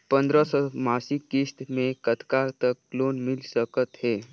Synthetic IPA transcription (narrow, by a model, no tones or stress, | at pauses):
pənd̪ɾəsəmasikːist̪mekət̪kat̪əkːlonmilsəkət̪ɦe